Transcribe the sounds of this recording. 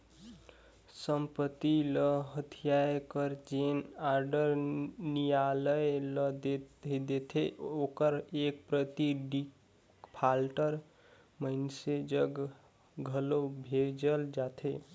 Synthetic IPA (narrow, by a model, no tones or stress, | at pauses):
səmpət̪iləɦət̪ʰijajkəɾd͡ʒenaɾɖəɾnijaləjləd̪etd̪et̪ʰeʔokəɾek̚pɾət̪iɖik | pʰalʈəɾ | mənsed͡ʒəɡ | ɡʱəlobʱed͡ʒəld͡ʒat̪ʰe